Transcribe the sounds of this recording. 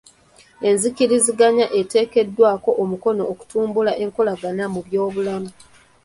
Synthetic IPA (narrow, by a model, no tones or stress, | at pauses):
e̞nzikiɾiziɡaɲaʔe̞te̞ːke̞dːwaːko̞ʔomuko̞no̞ːku̥tuːmbulaʔe̞ŋko̞laɡanamuβjo̞ːβulamu